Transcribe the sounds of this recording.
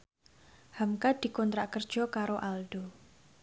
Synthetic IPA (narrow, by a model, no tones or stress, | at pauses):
hamkad̪̥i̤kɔnt̪ɾaʔkərd̥ʒ̥ɔ̤kaɾoʔalɖ̥o̤